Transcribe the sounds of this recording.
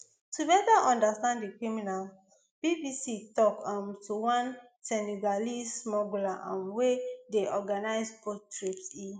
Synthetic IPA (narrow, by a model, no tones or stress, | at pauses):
tubɛtaʔɔ̃ndastãndikɹiminal | b̥ibisitɔkãmtuwãn | sɛniɡalismɔɡulaʔãnwedeʔɔɡanaɪspotɹipsi